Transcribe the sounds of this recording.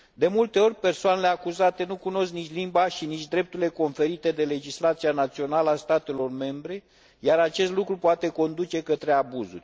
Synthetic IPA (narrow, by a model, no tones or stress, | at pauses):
d̪e̞mult̪e̞o̞rʲpe̞rsoane̞le̞akuzat̪e̞nukuno̞sknit͡ʃʲlimbaʃinit͡ʃʲd̪ɾe̞p̚t̪uɾile̞ko̞nfe̞ɾit̪e̞d̪e̞le̞d͡ʒislat̪sianat̪sio̞naləast̪at̪e̞lo̞rme̞mbɾe̞ | jaɾat͡ʃe̞st̪lukɾupoat̪eko̞nd̪ut͡ʃe̞kət̪ɾe̞abuzṵrʲ